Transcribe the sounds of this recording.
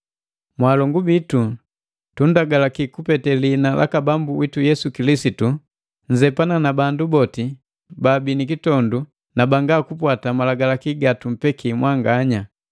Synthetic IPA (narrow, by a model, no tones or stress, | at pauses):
mwalɔŋɡubitu | tundaɡalakikupɛtɛlinalʔa̰kabambuwitujɛsukilisitu | ɲ̩d͡ʒɛpananabandubɔti | babinikitɔndu | nabaŋɡakupwatamalaɡalakiɡatum̩pɛkʰimwaŋɡaɲa